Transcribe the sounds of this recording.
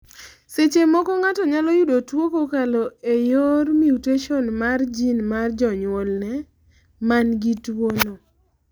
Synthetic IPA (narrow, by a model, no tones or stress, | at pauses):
set͡ʃemɔkɔŋatɔɲalɔjudotwokokalɔejormiuteʃɔnmard͡ʒinmard͡ʒɔɲwɔlnɛ | manɡitwono